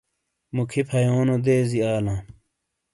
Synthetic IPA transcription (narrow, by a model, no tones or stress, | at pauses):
mukʰipʰɐjoːnod̪eːziaːlãː